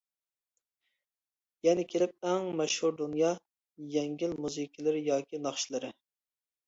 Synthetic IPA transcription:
jɛnɪkʲʰelɪp̚ɛŋmɛʃhuɾd̪unjɑ | jɛŋɡʲilmuzɨkʲʰːilˠɪɾɪjɑːkʲinɑχʃilˠɨɾɪ

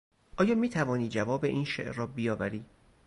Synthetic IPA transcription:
ʔɒːjɒːmiːt̪ʰævɒːniːd͡ʒævɒːbeʔiːnʃḛʔːɒːbijɒːvæɾiː

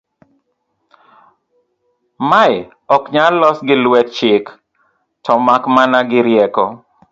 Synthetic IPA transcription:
maj | ɔkɲalɔsɡɪlwɛt̚t͡ʃɪk | tɔmakmanaɡɪɾjɛkɔ̰

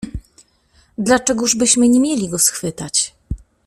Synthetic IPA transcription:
d̪lat͡ʂɛɡuʐbɘɕmɘɲemʲjelʲiɡɔsxfɘt̪at͡ɕ

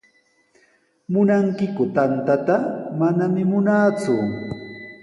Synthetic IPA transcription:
mʊnaŋkɪkʊt̪ant̪at̪amanamɪmʊnaːt͡sʊ̰

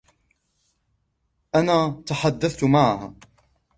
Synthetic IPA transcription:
ʔanaːt̪aħad̪ːaθt̪maʕhaː

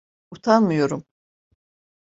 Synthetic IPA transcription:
ut̪ʰanmɯjo̞ɾum

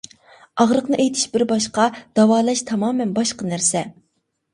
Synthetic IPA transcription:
ɑʁɾəqnɨʔejt̪ʰɪ̥ʃbɪɾbɑʃqɑd̪̥ɑwɑːlˠɛʃt̪ʰɑmɑːmɛnbɑʃqɑnæɾsɛ

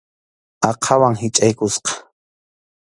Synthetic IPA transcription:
ɑqʰɑwaŋɦɪt͡ʃʼajkʊsqɑ̥

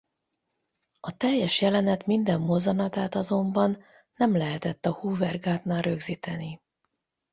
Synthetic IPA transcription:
ɒt̪ɛjːɛʃjɛlɛnɛt̪mind̪ɛmːo̞zɒnɒt̪aːt̪ɒzo̞mbɒnː | ɛmlɛɦɛt̪ɛt̪ːɒhuːvɛrɡaːt̪naːlrøɡziːt̪ɛni

